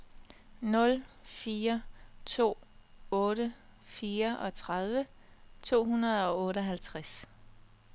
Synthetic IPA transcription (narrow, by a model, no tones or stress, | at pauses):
nɔ̽lfiːɐt͡sʰo̝̰ːɔ̽ːɾəfiːɐʔɒ̽t͡sʰʁað̞ˠʋət͡sʰo̝̰ːhunɐð̞ˠɒ̽ɔ̽ːɾəɒɦælt͡sʰʁas